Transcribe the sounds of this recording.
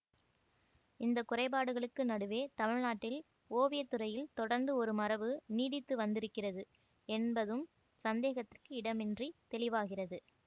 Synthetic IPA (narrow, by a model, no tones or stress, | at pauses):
ɪnd̪ɐkʊrɐɪbaːɽɯɣɐɭɯkːɯnɐɽɯʋeːt̪ɐmɪɻnaːʈːɪl | oːʋɪjɐt̪ːɯrɐjɪlt̪ɔɽɐɾnd̪ɯɔɾɯmɐrɐʋɯniːɽɪt̪ːɯʋɐnd̪ɪɾɯkːɪrɐðɯ | ɛnbɐðɯm | sɐnd̪eːɣɐt̪ːɪrkɯɪɽɐmɪndrit̪ɛlɪʋaːɣɪrɐðɯ